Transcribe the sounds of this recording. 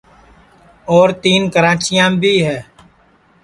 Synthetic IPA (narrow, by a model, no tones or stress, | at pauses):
ɔːɾt̪iːnkəɾãːt͡ʃɪjãːbʱiːɦɛː